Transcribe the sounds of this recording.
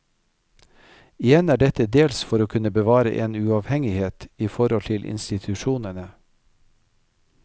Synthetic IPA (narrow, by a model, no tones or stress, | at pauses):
ɪjɛnæːɖɛt̪əd̪eːlsfɔɾoːkʰʉnəbəʋɑːɾə̰ʔeːnʉɑʋhɛŋɪheːt̪iːfɔɾhɔlt̪ʰɪlʔɪ̰nst̪ɪt̪ʰʉʃuːnənə